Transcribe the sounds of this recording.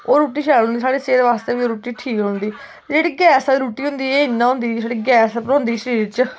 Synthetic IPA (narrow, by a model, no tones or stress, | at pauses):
oːɾuːʈiːʃʰɛːɾõnd̪iːsaːɽeːseːd̪eːʋaːst̪eːʋiːɾuːʈiːʈʰiːkɦond̪iː | d͡ʒeːɽiːɡɛːsɾuːʈiːɦʊ̃nd̪iːeːɪnːãːɦʊ̃nd̪iːsaːɽiːɡɛːspəɾʊ̃nd̪iːʃəɾiːɾt͡ʃ